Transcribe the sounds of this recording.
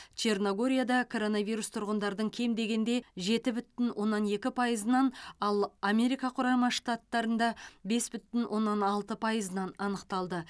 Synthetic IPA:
t͡ʃe̞rnoɡo̞ɾʲijad̪ɑkʰo̞ɾo̞nɑvijɾust̪ʰʊɾʁənd̪ɑɾəd̪əɴkʲʰe̞md̪e̞ɡʲe̞nd̪e̞ʒe̞t̪ɪbʏt̪ːɪnwʔo̞nːɑne̞kʲɪpʰɑjəzənɑnɑlˠamʲe̞ɾijkɑqʰʊɾɑmɑʂt̪at̪ːɑɾənd̪ɑbe̞sbʏt̪ɪnwʔo̞nːɑnɑlˠt̪əpʰɑjəzənɑnɑnəqt̪ɑlˠd̪ə

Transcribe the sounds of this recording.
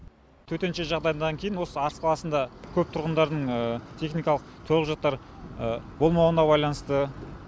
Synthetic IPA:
t̪ʰɵt̪e̞nʃe̞ʒɑʁd̪ɑjənd̪ɑŋkʲʰe̞jɪnwo̞səɑɾəsqʰɑlˠɑsənd̪ɑkʲʰɵp̚t̪ʰʊɾʁənd̪ɑɾd̪əɴət̪ʰe̞χnijkɑlˠəq̚t̪ʰoɾəʒɑq̚t̪ːɑɾ | əbo̞lˠmɑwənɑbɑjlˠɑnəst̪ə

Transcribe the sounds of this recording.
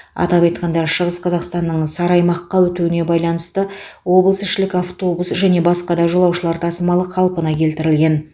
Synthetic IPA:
ɑ̰t̪ɑpɑjt̪qʰɑnd̪ɑɾʃəʁəsqʰɑzɑqst̪ɑnːəɴsɑɾɑjmɑqːɑwɵt̪uɪne̞bɑjlˠɑnəst̪ə | wo̞bəlˠəsɪʃɪlɪkaft̪o̞busʒæne̞bɑsqɑd̪ɑʒolˠɑwʃəlˠɑɾt̪ʰɑsəmɑlˠəqʰɑlˠpənɑkʲʰe̞lt̪ɪɾɪlɡʲe̞n

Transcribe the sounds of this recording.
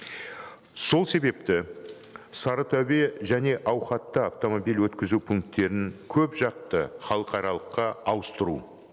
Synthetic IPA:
so̞lˠse̞be̞p̚t̪ɪ | sɑɾət̪ʰœbe̞ʒæne̞ʔɑwχɑt̪ːəaft̪o̞mo̞bilwɵt̪kʲɪzupʰʊŋk̚t̪ːe̞ɾɪŋkʲʰɵpʒɑq̚t̪əχɑlˠəqɑɾɑlˠəqːɑɑwəst̪əɾṵ

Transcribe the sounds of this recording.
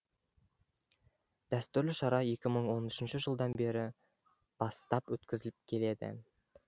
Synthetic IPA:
d̪̥æst̪ʉɾlɪʃɑɾɑje̞kʲɪməɴwo̞nʏʃɪnʃɪʒəlˠd̪ɑnbe̞ɾɪ | b̥ɑst̪ɑpwɵt̪kʲɪzɪlɪp̚kʲʰe̞le̞d̪ɪ̰

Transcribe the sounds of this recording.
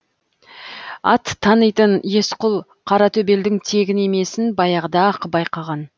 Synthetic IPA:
ɑ̰t̪ʰːɑnəjt̪ənje̞sqʊlˠ | qʰɑɾɑt̪ʰɵbe̞ld̪ɪŋt̪ʰe̞ɡʲɪne̞me̞sɪnbɑjɑʁd̪ɑqbɑjqɑʁɑn

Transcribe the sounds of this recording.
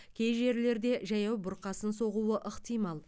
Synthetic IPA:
kʲʰe̞jʒe̞ɾle̞ɾd̪e̞ʒɑjɑwbʊɾqɑsənso̞ʁuwəʔəqt̪ijmɑlˠ

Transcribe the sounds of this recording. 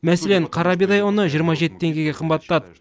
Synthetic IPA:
mæseleɴqʰɑɾɑbid̪ɑjwonəʒijəɾmɑʒe̞t̪ːɪt̪ʰe̞ŋɡʲe̞ɡʲe̞qʰəmbɑt̪ːɑd̪ə

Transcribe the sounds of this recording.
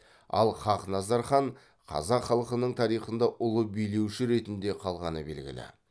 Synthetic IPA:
ɑ̰lˠχɑqnɑzɑɾχɑɴ | qʰɑ̰zɑqχɑlˠəqənəɴt̪ʰɑɾijχənd̪ɑʔʊlˠəbijle̞wʃɪɾe̞t̪ɪnd̪e̞qʰɑlˠʁɑnəbe̞̰lɡʲɪ̰lɪ̰

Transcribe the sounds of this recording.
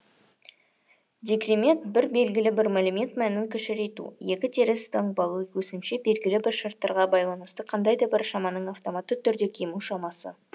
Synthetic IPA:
d̪ʲekrʲimʲe̞nt̪̚bɪɾbe̞lɡʲɪlɪbɪɾmalumʲe̞nt̪mænɪɪŋkʲʰʏʃɪɾe̞t̪ṵje̞kʲɪt̪ʰe̞ɾɪst̪əɴbɑlˠuwɵsɪmʃebe̞lɡʲɪlɪbɪɾʃɑɾt̪ːɑɾʁɑbɑjlˠɑnəst̪əqʰɑnd̪ɑjd̪ɑbɪɾʃɑmɑnəɴɑft̪o̞mɑt̪ːət̪ʰʏɾd̪e̞kʲʰemuʃɑmɑsə̰

